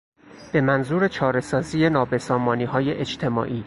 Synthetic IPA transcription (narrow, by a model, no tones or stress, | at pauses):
b̥e̞mænzuːɾe̞t͡ʃʰɒːɾe̞sɒːziːje̞nɒːbe̞sɒːmɒːniːɦɒːjeʔet͡ʃt̪ʰe̞mɒ̰ːʔiː